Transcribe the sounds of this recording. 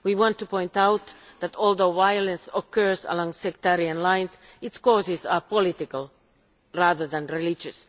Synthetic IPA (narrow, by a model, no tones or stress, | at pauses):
wiwɑ̃ntːupɔ̃ɪ̃ntawt̪ðæt̪ɔlˠd̪oʊvajlə̃nsɔkʰɜ˞zə̰lɔ̃ŋsɛk̚t̪ɛɾiə̃nlãɪ̃nsɪtskɔːzɪzapɔlɪt̪ɪkəlˠ | ɹaðə˞ðæ̃nɹilɪd͡ʒɨs